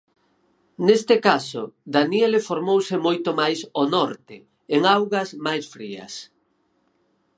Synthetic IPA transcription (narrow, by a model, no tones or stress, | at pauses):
nest̪ɪkasoðanielefoɾmowsɪmojt̪omajsonɔɾt̪ɪ | eŋawɣɐsmajsfɾiɐ̰s